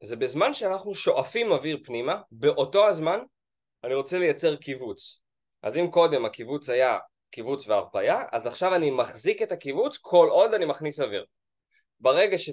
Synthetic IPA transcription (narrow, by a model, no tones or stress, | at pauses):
zebezmanʃeanaχnuʃo̞ʔafimaviʁpnimabeʔo̞to̞azman | aniʁo̞t͡selejat͡se̞ʁkivut͡s | ʔa̰zimko̞de̞makivut͡saja | kivut͡sveaʁpajaʔa̰zaχʃavanimaχzike̞takivut͡skʰo̞lʔo̞danimaχnisavḭʁ | baʁe̞ɡaʃe